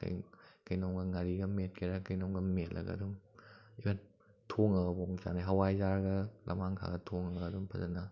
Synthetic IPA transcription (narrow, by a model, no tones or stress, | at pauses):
kʰa̰jkajnɔmɡaŋaɾiɡɐmet̚kʰeɾakajnɔmɡamet̚lʔɐ̰ɡa̰dumibat | tʰːoŋaboŋsa̰najɦawajzaɾɡɐlʔa̰maŋkʰa̰ɡɐtʰoŋaadɔmpʰazana